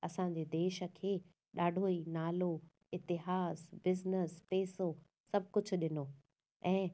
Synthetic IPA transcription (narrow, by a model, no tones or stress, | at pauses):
ɐsãɲ̆d͡ʑeːd̪eːʃə̆kʰeː | ɗaːɖʱoːinaːlo | ɪt̪ɪɦaːzbɪznəspeːso | sɐbʱkʊd͡ʑʱʊ̆ɗɪnoː | ɛ̃ː